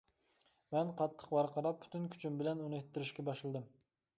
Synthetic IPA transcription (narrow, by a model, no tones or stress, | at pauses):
mɛnqʰɑt̪ʰːə̥qbɑɾqɑɾɑp̚ʰːy̥t̪ynkʲʰy̥t͡ʃʰymbɪlɛnunɨet̪ʰːɪɾɪʃkʲɛbɑʃlˠɨd̪ɨm